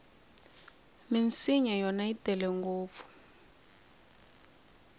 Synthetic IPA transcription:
minsiɲɛjɔnaitɛlɛŋɡoːp̪fu̥

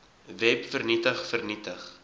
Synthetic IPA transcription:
vɛpfərnitəχfərnitəχ

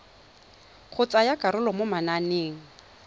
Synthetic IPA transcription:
q͡χʰʊt͡sʼajakaɾʊlɔmʊmananeːŋ̩

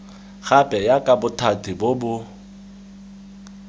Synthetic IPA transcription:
ɣapʼɛjakʼabʊtʰatʰɪbʊbʊ

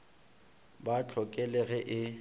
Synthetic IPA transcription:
bat͡ɬʰɔkʼɛlɛɣɛʔɪ

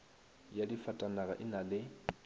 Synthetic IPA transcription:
jadifatʼanaɣaʔɪnalɪ

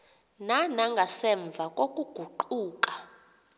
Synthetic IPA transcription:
nanaŋɡʱasɛɱb̪vʱakʼokʼuɡ̥ʱuǃuːkʼḁ

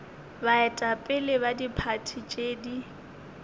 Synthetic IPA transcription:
baɛtʼapʼɪlɪbadipʰatʰit͡ʃʼeːdi

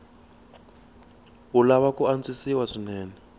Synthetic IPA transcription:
ulaβakuant͡sisiwaʂinɛːnɛ

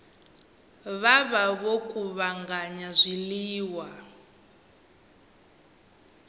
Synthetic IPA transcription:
βaβaβokʼuβaŋɡaɲazʷiliːwa

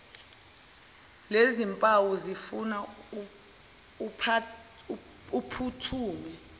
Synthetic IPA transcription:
lezimpʼawuzifuna | pʰ | upʰutʰuːmɛ

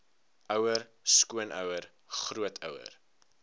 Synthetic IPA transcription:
ʔœwərskuənʔœ̰wər | χruətʰœ̰wə̰r

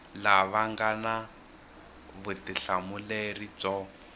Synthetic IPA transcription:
laβaŋɡana | βutiɬamulerit͡sɔ

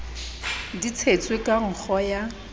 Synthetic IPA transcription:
dit͡sʰet͡sʼwekʼaŋ̩k͡xʰɔja

